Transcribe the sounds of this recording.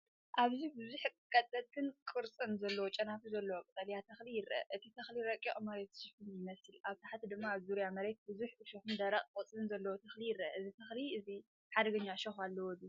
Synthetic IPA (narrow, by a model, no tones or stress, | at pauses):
ʔaβzibɨzuħʼkʼɐt̪ʼlɐt̪̚kʰɨnkʼɨɾt͡sʼɨnzɐlːɐwot͡ʃʼɐnafuzɐlːɐwokʼɨt̪ʼɐljat̪ʰɐxlijɪɾɐʔɐ̰ʔɨt̪ʰit̪ʰɐxliɾɐkʼːoʔʼmɐɾet̪ʃɪfɨnjɪmɐsɨlaβt̪ʰaħat̪id̪ɨmːaːβzuɾijamɐɾe̞t̪̚bɨzuħɨʃɐxɨnd̪aɾaqʼkʼɔt͡sʼɨnzɐlːɐwot̪ʰɐxlijɪrɐʔɐʔɨzit̪ʰɐxliɨzi | ħad̪ɐɡɐɲːaʃɐxalːɐwɔd̪i